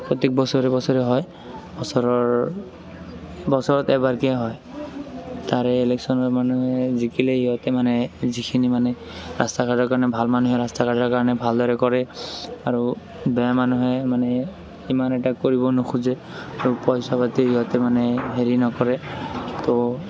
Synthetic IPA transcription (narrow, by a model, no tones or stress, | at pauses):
pɔt̪ek̚bɔsɔɹɛbɔsɔɹɛɦɔj | bɔsɔɹɔɹ | bɔsɔɹɔt̪ɛbaɹkɛɦɔj | t̪aɹɛeleksɔnɔɹmanuɦɛzikileɦiɦɔt̪ɛmanɛzikʰinimanɛ | ɹa̰stakʰadɔkaɹnɛbʱalmanuɦɛɹastakʰadɔɹkaɹɔnɛbʱaldɔɹɛkɔɹɛaɹu | bɛmanuɦɛmanɛ | imanɛtakoɹibɔnokʰuzɛ | aɹupɔjsabat̪iɦiɦɔt̪ɛmanɛɦeɹinɔkɔɹɛt̪ɔ